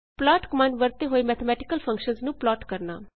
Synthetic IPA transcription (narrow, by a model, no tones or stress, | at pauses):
plaːʈkəmanʋəɾt̪eːɦoːiːmɛːt̪ʰəmɛːʈɪkəlpʰə̃ŋkʃənznũːplɔːʈkəɾna̰ː